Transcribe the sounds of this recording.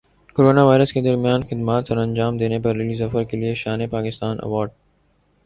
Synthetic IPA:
koɾoːnaʋaːɪɾəsked̪ɐɾmijaːnxɪd̪maːt̪sɐɾɐ̃nd͡ʒaːmd̪eːnepɐɾːɪlizɐfəɾkelieʃaːnepaːkɪst̪aːnʔɐ̰ʋɔːɾɖ̚

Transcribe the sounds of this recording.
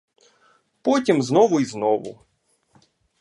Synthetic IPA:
pɔtʲimznɔʋʊiznɔʋʊ̰

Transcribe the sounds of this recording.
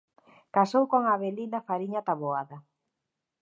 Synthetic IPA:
kasowkoŋaβelinafaɾiɲat̪aβoaðɐ

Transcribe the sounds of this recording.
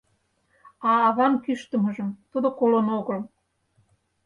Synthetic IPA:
ɑːβɑnkyʃt̪ə̆mɤ̆ʒə̆mt̪ud̪ŏkolənoɣɤ̆l

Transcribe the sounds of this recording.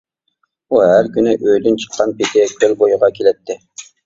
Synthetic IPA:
uɦæɾkʲynɪʔøjd̪ynt͡ʃʰə̥qʰːɑnpɪt̪ʰɪkʲʰølbojʊʁɑkʲʰelɛt̪ːɪ

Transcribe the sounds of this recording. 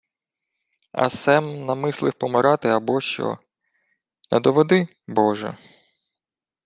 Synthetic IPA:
ɐ̰sɛmnɐmɪslˠɪwpɔmɪɾɑt̪ɪɐbɔʃt͡ʃɔ̰ | nɛd̪ɔʋɔd̪ɪ | bɔʒɛ̰

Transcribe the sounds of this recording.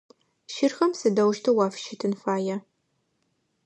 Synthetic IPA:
ʃɪrxɐmsɨdɐwʃtʰɐwaːfʃʰɪtʰɨnfaːjɐ

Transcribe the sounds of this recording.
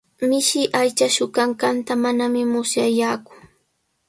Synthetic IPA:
mɪʃɪʔajt͡ʃaʃʊkaŋkant̪amanamɪmʊsjajaːkʊ̥

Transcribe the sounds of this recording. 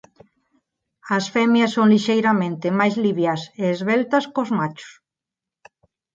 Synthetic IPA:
ɐsfɛmjɐsːoŋliʃejɾamẽnt̪ɪmajzliβjaseːzβɛlt̪ɐskozmat͡ʃʊ̥s

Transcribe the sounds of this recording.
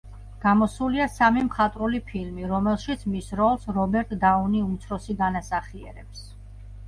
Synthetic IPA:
ɡ̥amɔsuliasamimχat̪ʼɾulipʰilmiɾɔmɛlˠʃit̪sʰmisɾɔlˠsɾɔbɛɾt̪ʼd̪auniut̪sʰɾɔsiɡanasaχiɛ̰ɾɛps

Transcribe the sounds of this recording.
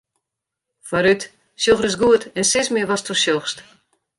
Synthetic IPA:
faɾyt | sjoxrɪs̬ɡuətɛnsɪsmɪʋɔstʰusjoxst

